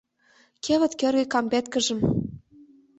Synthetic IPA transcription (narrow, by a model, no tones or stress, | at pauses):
kʰʲeβɘ̆t̪kĕrɣɘ̆kɑmbʲæt̪kɘ̆ʒɘ̆m